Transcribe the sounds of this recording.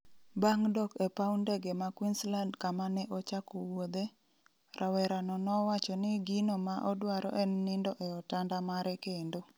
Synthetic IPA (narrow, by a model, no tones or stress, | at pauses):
baŋdɔkepaundɛɡemakwinslandkamanɛʔɔt͡ʃakowod̪e | ɾʔawɛɾanɔnɔwat͡ʃɔnɪɡinomaʔɔdwaɾɔ̰ʔɛnːɪndɔʔɛɔtandamaɾɛkendo